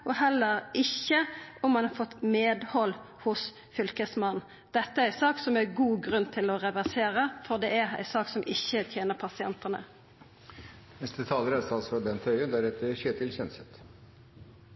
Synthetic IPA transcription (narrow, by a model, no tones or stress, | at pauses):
ɔɦɛlːəʁɪçəɔmmɑnɑʁfɔt̪ːmeːd̪hɔl | hʊs | fʏlkəsmɑnː | d̪̥ɛt̪ːəæɾæɪsɑːksɔmæɾɡuːɡʁʉnːt̪ʰɪlɔʁɛʋæʁseːʁəfɔʁd̪ɛæʁæ̰ɪsɑːksɔmʔɪçːət̪ʰjeːnəʁpʰɑsɪɛ̰nt̪ənə̰ | nɛst̪ət̪ʰɑːləɾɛsɑlsɔbɛnt̪ʰœʏəd̪æɾɛt̪əʃeːt̪ɪlçɛnsɛt̪